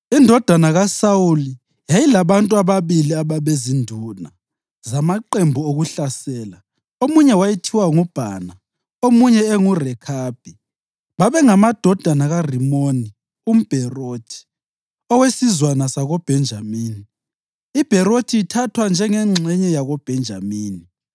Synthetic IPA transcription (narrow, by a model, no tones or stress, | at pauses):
indʱɔd̥ʱanaɣasawuli | jajilaβantʼuaβaβiliaβaβezindʱuna | zamaǃembʱuoɣuɬasɛːla | omuɲɛwajitʰiwaŋub̥ʱa̰ːna | omuɲɛɛŋurɛkʰaːb̥̚ʱi | βaβɛŋamad̥ʱɔd̥ʱanaɣarimoni | um̩b̥ʱɛroːtʰi̥ | ɔwesizwanasaɣɔb̥ʱɛnd͡ʒʱamiːni | ib̥ʱɛɾotʰiːtʰatʰwand͡ʒʱɛŋɛŋ͡ǁʱɛɲɛjaɣɔb̥ʱɛnd͡ʒʱamiːni